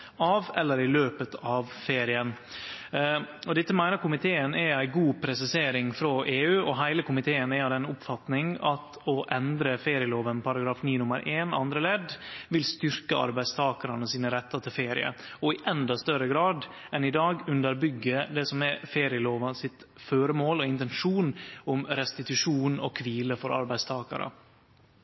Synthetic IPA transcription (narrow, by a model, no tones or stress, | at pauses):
ɑʋɛlːəɾɪløːpət̪ʰɑʋfeːɾɪən | ɔd̪ɪt̪ːəmæɪnəɾkʊmɪt̪ʰeːənææɪɡuːpʰɾɛsɪseːɾɪŋfɾɔʔeːʉːɔɦæɪləkʰʊmɪt̪ʰeːənæɑd̪ɛnʊpfɑt̪nɪŋɑt̪ | ɔʔɛnd̪ɾəfeːɾɪəloːʋənpʰɑɾɑɡɾɑːfniːnʊmə̰ɾʔeːnɑ̰nd̪ɾəleːd̪ʋɪlst̪ʏɾkəɑ̰ɾbæɪst̪ʰɑːkɑɾɑnəsiːnəɾɛt̪ːɑt̪ʰɪlfeːɾɪ̰ə̰ɔɪʔɛnd̪ɑst̪œɾəɡɾɑːd̪ | ɛnɪd̪ɑːɡʉnd̪əɾbʏɡːəd̪ɛsɔmɛfeːɾɪəloːʋɑnsɪt̪føːɾəmoːlɔɪnt̪ɛnʂuːnʊmɾɛst̪ɪt̪ʉʂuːnɔ̰kʰʋiːləfɔɾɑ̰ɾbæɪst̪ʰɑːkɑ̰ɾʔə̰